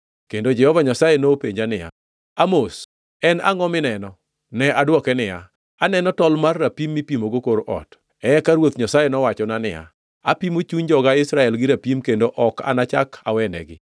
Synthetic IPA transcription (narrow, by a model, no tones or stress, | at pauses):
kendod͡ʒɛhɔvaɲasajenopeɲd͡ʒanɪja̰ | amos | ɛna̰ŋɔmɪnɛnɔ | nɛʔadwɔkɛnɪja̰ | anɛnɔtɔlmarːapimːipimoɡokoɾʔɔ̰t | ɛɛkaɾwot̪ɲasajenɔwat͡ʃɔnanɪ̰a̰ | apimot͡ʃuɲd͡ʒɔɡaɪsɾaɛlɡɪɾapimkendoʔɔka̰nat͡ʃakʰa̰wɛnɛ̰ɡɪ̰